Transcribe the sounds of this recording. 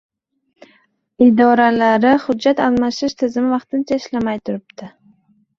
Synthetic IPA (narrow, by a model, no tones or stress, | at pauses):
ɪd̪ɒɾalaɾɪχʊːat̪alˠmaʃɪʃt̪ʰɪzɪmɪvɑqt̪ɪnt͡ʃʰaɪʃlamajt̪ʰʊɾɪp̚t̪ʰɪ